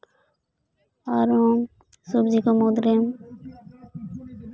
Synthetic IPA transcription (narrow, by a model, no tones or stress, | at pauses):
aɾom | subd͡ʑikomod̪ɾem